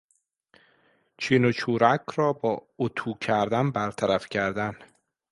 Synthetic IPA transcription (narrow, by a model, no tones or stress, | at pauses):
t͡ʃʰiːnot͡ʃʰuːɾækʰɾɒːbɒːot̪ʰuːcʰæɾd̪ænbæɾt̪ʰæɾæfcʰæɾd̪æn